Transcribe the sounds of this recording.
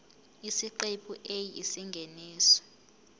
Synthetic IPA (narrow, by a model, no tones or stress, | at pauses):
isiǃepʰʼuʔejisiŋɡʱeniːsɔ̥